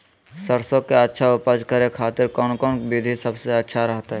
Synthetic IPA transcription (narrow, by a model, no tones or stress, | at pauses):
səɾsokeətːʃʰaʊpəd͡ʒkəɾekʰaːt̪ɪɾkɔːnkɔːnbid̪ʱisəbseətːʃʰaɾəɦt̪aɦɛ